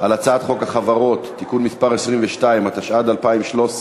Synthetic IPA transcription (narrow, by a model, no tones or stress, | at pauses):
alat͡saat̪χo̞khaχavaʁo̞tːikunmispaʁesʁimveʃtaimat̪aʃad̪alpaimʃlo̞s